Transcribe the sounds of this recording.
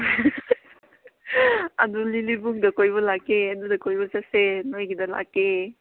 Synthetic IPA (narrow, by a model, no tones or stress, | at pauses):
ɐd̪ulilibukd̪ɐkojbɔlakeɐd̪udɐkojbɔsasenojɡid̪ɐla̰ke